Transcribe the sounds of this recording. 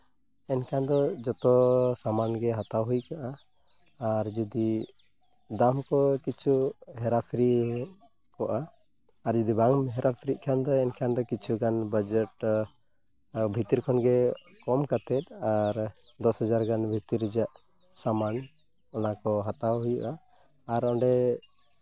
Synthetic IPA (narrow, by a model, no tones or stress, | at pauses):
ɛnkʰand̪ɔd͡ʒɔt̪ɔsamanɡɛɦat̪awɦujkaʔaː | ɾd͡ʒid̪i | d̪amkɔkit͡ʃʰuɦɛɾapʰɾi | kɔʔaː | ɾd͡ʒid̪ibaŋmɦɛɾapʰɾiʔ̪̚kʰand̪ɔɛnkʰand̪ɔkit͡ʃʰuɡanbəd͡ʒɛʈ | bʱit̪iɾkʰɔnɡɛ | kɔmkat̪ɛt̪̚aɾ | d̪ɔsɦəd͡ʒaɾɡanbʱit̪iɾd͡ʒaʔ | saman | ɔnakɔɦat̪awɦujuʔaː | ɾɔɳɖɛ